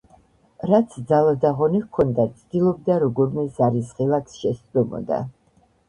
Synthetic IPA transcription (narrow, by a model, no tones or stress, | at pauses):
ɾat̪sʰd̪zalad̪aʁɔnikʰɔnd̪at̪sʼʰd̪ilˠɔb̚d̪aɾɔɡɔɾmɛzaɾisʁɛlˠakʰsʃɛst̪ɾɔmɔ̰d̪a̰